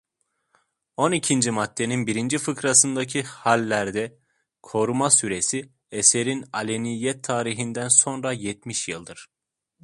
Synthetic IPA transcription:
o̞nicʰind͡ʒimat̪ʰːe̞ninbiɾind͡ʒifɯkɾasɯnd̪acʰihalʲːæɾd̪ɛ | kʰo̞ɾumasyɾe̞si | ese̞ɾinalʲenijɛt̪ʰːaːɾiɦind̪ænso̞nɾajɛt̪miʃjɯlˠd̪ɯɾ̥

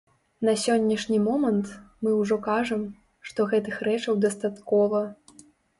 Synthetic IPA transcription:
nɐsʲɔnʲːɐʂnʲimɔmɐnt̪mɨwʐɔkaʐɐm | ʂt̪ɔɣɛt̪ɨxɾɛt͡ʂɐwd̪ɐst̪at̪kɔvɐ

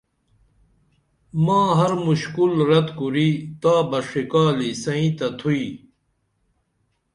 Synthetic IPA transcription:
mãːɦɐɾmuɕkulɾɐt̪kuɾiːt̪aːbɐʂikaːlisɐĩːt̪ɐt̪ʰui

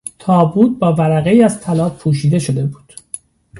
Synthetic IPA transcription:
t̪ʰɒːbuːt̪̚bɒːvæɾæɣe̞iːæzt̪ʰælɒːbpʰuːʃiːd̪e̞ʃo̞d̪e̞buːd̪̥

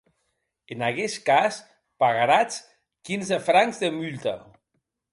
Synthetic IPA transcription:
enaɣɛskas | paɣaɾat͡s | kinzefɾaŋzðemylt̪a

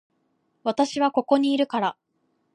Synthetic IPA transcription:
βat̪aɕiβ̞ako̞ko̞ɲ̟iːɾɯ̟kaɾa

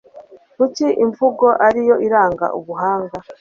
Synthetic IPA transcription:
kuciʔiɱvuɡo̞ʔaɾijo̞ʔiɾaːŋɡa̰ʔuβuɦaːŋɡa

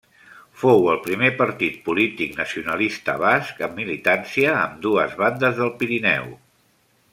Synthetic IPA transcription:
fowəlˠpɾimepəɾt̪it̪̚pulit̪iknəsiunəlist̪ə̰βaskəmːilit̪ansiə̰ːmd̪uəzβand̪əzðəlˠpiɾinɛ̰w

